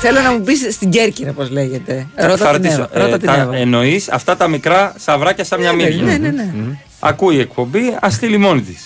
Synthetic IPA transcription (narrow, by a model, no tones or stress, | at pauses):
θelonɐmupisːt̪iɲɟe̞ɾciɾɐpo̞zleʝe̞t̪e̞ɾot̪ɐɾt̪isoɾoɐt̪eno̞isɐ̰ft̪ɐt̪ɐmikɾɐsɐvɾɐcɐsɐmɲɐminenene | ɐ̰kuie̞k̚po̞biɐst̪ilimo̞nit̪is